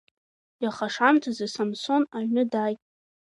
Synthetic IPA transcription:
jaχaʂamtʰazasamso̞naɥnɨdajtʼ

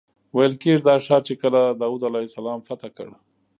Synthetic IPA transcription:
wajəlkeʐd̪ɑʂɑt͡ʃekəlad̪ɑwud̪alasalɑmfat̪akə̰ɽ

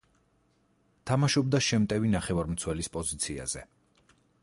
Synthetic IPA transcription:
t̪ʰamaʃɔb̚d̪aʃɛmt̪ʼɛvinaχɛvaɾmt̪sʰwɛlispʼɔzit̪sʰia̰z̥ɛ

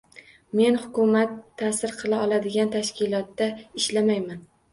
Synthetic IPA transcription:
me̞nhʊkʊmat̪ʰːasɪɾqʰɨlˠaɒlˠad̪ɪɡʲant̪ʰaʃkʲɪlˠɒt̪ːaɪʃlamajman

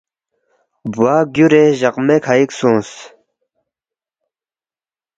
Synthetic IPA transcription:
buaːɡjuɾeʑɐqmekʰaiksũːs

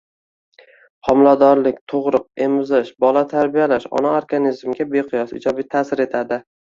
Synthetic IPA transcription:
hɒmlad̪ɒɾlɪkʲt̪ʰoʁɾʊq̚e̞mʊzɪʃbɒlat̪ʰaɾbijalaʃɒ̰naoɾɡanizmɡʲabe̞qʰʊjɒsɪ̰d͡ʒɒbijt̪ʰaːsɪɾe̞t̪ʰad̪ɪ

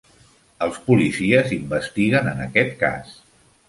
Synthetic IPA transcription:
əlˠspulisiəzimbəst̪iɣənənə̰kɛt̪̚ka̰s

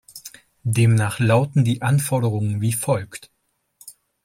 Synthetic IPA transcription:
deːmnaːχlaʊtn̩diːʔanfɔɐɾəʁ̞ʊŋənviːfɔlkt

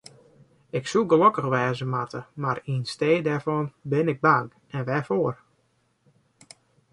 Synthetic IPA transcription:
ɪksuɡəlokəɣʋɛːzəmatəmaɾinsteːdɛrvɔnbɪnɪɡ̚baŋ | ɛnʋɛfoər

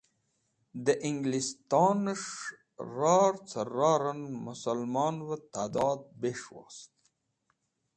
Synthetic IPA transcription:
d̪əʔiŋɡlist̪ɑːnəʂ | ɾɑːɾt͡sʰəɾɑːɾənmʊsalmɑːnwət̪aːd̪ɑːd̪̚beʂwɑ̰st̪

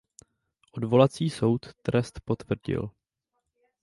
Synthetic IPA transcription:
ʔo̞dvo̞lat͡siːso̞wt̪ːɾɛst̪po̞t̪vr̩ɟɪ̰l

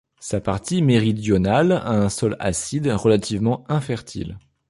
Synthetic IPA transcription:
sapaʁt̪imeʁid̪jɔnala̰ɛ̃sɔla̰sid̪ʁəlat̪ʰivmɑ̃ɛ̃fɛʁt̪ʰḭl

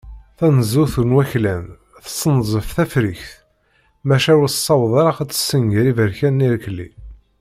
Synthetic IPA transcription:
θænəzuθənwæçlæn | θə̥sˤːənzˤəfθæfɾiçθ | mæʃæwəsˤːɑwðˤɑɾˤɑqæt͡sːə̥sːəŋɡəɾivəɾçænːiɾkəlːḭ

